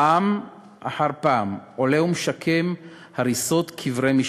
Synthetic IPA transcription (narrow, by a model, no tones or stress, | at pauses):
am | ʔa̰ħaʁpaːmoleumʃakʰem | haʁiso̞tkʰivʁemiʃ